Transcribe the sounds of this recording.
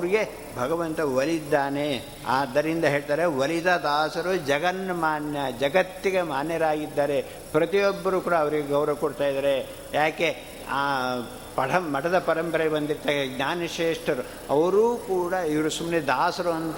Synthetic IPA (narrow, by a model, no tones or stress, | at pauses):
ɐʋɾiɡe̞ | bʱɐɡɐʋɐnt̪ɐʋɐlid̪ːaːne̞ | aːd̪ːɐɾind̪ɐɦe̞ːɭt̪aːɾeʋɐlid̪ad̪aːsɐɾud͡ʒɐɡɐnɐmaːnjɐd͡ʒɐɡɐt̪ːikɐmaːnjɐɾaːɡid̪ːaːɾe̞ | pɾɐt̪ijɔbːɐɾuːkuːɽɐːʋɐɾiɡe̞ɡɐwɾɐʋɐkoɽt̪aːjid̪aːɾe | jaːke̞ | aː | pɐʈɐmmɐʈɐd̪ɐpɐɾɐmpɐɾebɐnd̪iɾt̪ɐkɡnaːnɐʃeːʂʈɐɾu | ɐʋɐɾuːkuːɽɐiʋɐɾusumned̪aːsɐɾuɐnt̪